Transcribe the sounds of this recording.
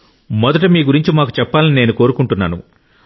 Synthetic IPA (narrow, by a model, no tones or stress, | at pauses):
mɔd̪ɐʈ̬umiːɡuɾiɲt͡ʃimaːkut͡ʃɛpːaːlinine̞ːnuko̞ːɾukuɳʈunːa̰ːnṵ